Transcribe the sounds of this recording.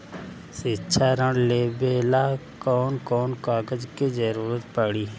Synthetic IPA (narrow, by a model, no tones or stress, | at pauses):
sɪtːʃʰaɾəɳleːbeːlakɔːnkɔːnkaːɡəd͡ʒked͡ʒəɾuːɾət̪pəɽiː